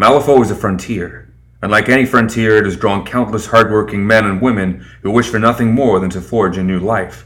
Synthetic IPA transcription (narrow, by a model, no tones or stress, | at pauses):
mælˠəfoʊɨzɨfɹʌ̃ntʰɪɹ | ə̃nlaɪkɛɾ̃ifɹʌ̃ntʰiɹɨɾɨzdɹɔ̃nkʰãʊ̃nʔləshɑɹd̚wɜ˞kɪ̃ŋmɛ̃nɨ̃nwɪ̃mɨ̃nhuwɪʃfə˞nʌθɪ̃ŋmɔɹðɨ̃ntɨfɔɹd͡ʒɨnʉlaɪf